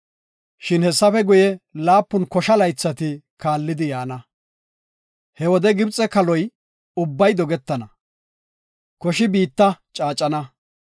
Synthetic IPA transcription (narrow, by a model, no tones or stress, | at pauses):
ʃɪnhɛsːɐfɛɡʊjɛlaːpːʊnkɔʃɐlɐjt͡sːɐt̪ɪ | kaːlːɪd̪ɪjaːnɐ | hɛwɔd̪ɛɡɪbt͡sʼːɛkɐlɔj | ʊbːɐjd̪ɔɡɛt̪ːɐnɐ | kɔʃɪbiːt̪ːɐt͡ʃʼaːt͡ʃʼːɐnɐ